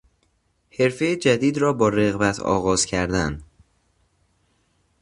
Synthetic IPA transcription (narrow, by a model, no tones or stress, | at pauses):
he̞ɾfe̞jed͡ʒæd̪iːd̪ɾɒːbɒːɾeɣbæt̪ʰɒ̰ːɣɒːz̥cʰæɾd̪æn